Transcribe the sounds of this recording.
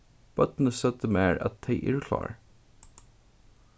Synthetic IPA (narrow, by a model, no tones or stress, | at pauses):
b̥œt̪n̩əsœt̪əmeːɹɑ̰t̪̚d̪eɪʔɪɹkʰlɑ̰ːɹ